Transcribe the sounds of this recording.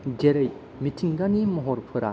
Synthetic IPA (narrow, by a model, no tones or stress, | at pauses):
ɡeɾej | mitʰiŋdanimɔɦɔɾpʰɯɾa̰